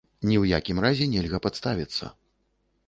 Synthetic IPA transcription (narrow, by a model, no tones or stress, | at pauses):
nʲiwjakʲimrazʲɛnʲɛlʲɣɐpat̪st̪avʲit̪sːɐ̰